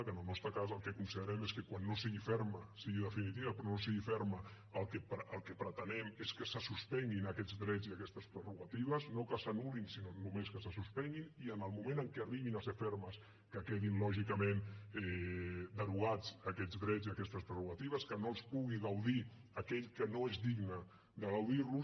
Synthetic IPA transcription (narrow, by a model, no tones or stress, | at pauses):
kənəlˠnɔst̪ɾəkazəlˠkekunsiðəɾɛmeskəkwanːosiɣifɛɾməsiɣiðəfinit̪iβəpɾɔnosiɣifɛɾmə | əlˠkəpʔəlˠkəpɾət̪ənɛmeskəsəsuspɛŋɡinəkɛd͡zðɾɛd͡ziakɛst̪əspɾəruɣat̪iβəznokəsanulinsinoznumenskəsəsuspɛŋɡiniənəlˠmumẽnəŋkɛariβinəsefɛɾməs | kəkeðinlɔʒikəmenɛd̪əɾuɣad͡zəkɛd͡zðɾɛziəkɛst̪əspɾəruɣat̪iβəskənoəlˠspuɣiɣawði | əkɛʎkənoezdiɡnə | d̪əɣawðirlus